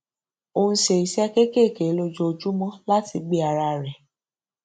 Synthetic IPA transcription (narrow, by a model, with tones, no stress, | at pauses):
õ˧˦ʃe˨i˨sɛ˦ke˦ke˦˨ke˨˦lo˧d͡ʒo˧o˧d͡ʒu˦mɔ̃˦la˦ti˧ɡ͡bi˦a˧ɾa˧˨ɾɛ˨